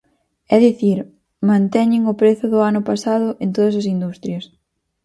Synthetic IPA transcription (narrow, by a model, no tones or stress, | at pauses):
ɛðiθiɾ | mãnt̪ɛɲɪŋʊpɾeθʊðʊanʊpasaðʊʔent̪oðɐs̬ɐs̬ind̪ust̪ɾjɐs